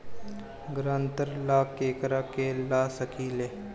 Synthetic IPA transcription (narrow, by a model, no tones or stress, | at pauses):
ɡɾãːnt̪əɾlaːkeːkəɾaːkelaːsəkiːleː